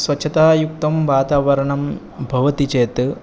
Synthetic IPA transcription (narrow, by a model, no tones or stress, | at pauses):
sʋɐtːt͡ʃʰɐt̪aːjuk̚t̪ɐmʋaːt̪aːʋɐɾɐɳɐm | bʱɐʋɐt̪it͡ʃeːt̪ɨ